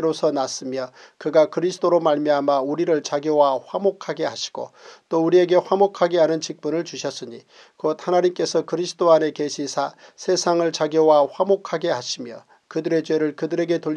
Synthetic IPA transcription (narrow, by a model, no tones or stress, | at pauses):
ɾosʰʌnas͈ɯmjʌkɯɡakɯɾisʰɯ̥t͈oɾomaɭmiamauɾiɾɯɭt͡ɕaɡjowaɸwamokʰaɡe̞haɕʰi̥ɡ̥o̰t͈ouɾie̞ɡe̞ɸwamokʰaɡeɦanɯnt͡ɕik̚p͈unɯɭt͡ɕuɕʰʌs͈ɯɲi | kot̚hanaɲimk͈e̞sʰʌkɯɾisʰɯ̥doane̞ke̞ɕʰisʰasʰe̞sʰaŋɯɭt͡ɕaɡjowaɸwamokʰaɡe̞aɕʰimjʌ | kɯdɯɾe̞t͡ɕwe̞ɾɯɭkɯdɯɾe̞ɡe̞to